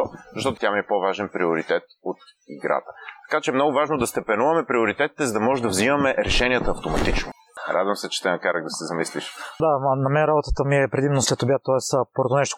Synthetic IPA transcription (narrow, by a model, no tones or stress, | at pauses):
zəʃt̪ɔt̪o̥t̪ʲjamiɛpovaʒɛnpɾioɾit̪ɛt̪ot̪ | iɡɾa̰t̪ət̪ɐ̥kat͡ʃɛːmnɔɡʊvaʒnod̪ɐst̪ɛpɛnuvɐmɛpɾioɾit̪ɛt̪i̥t̪ɛzɐd̪ɐmɔʒɛd̪ɐvzimɐmɛɾɛʃɛniət̪əːft̪omɐt̪it͡ʃno | ɾʔa̰d̪vəmsɛt͡ʃɛ̥t̪ɛnɐkaɾəɡ̚d̪ɐsɛzɐmisliʃd̪anɐmɛnɾabot̪ət̪əmiɛpɾɛd̪imnoslɛt̪obʲjat̪ɔɛspoɾot̪onɛʃt̪o̥